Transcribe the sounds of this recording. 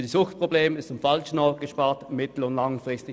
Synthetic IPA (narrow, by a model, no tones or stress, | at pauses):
d̥isʊxtpʁ̥obleːmɪstʊmfɑlʃn̩ɔʊt̚ɡ̥əʃpɑːɐtmɪtl̩ʊndlaŋfʁɪstɪ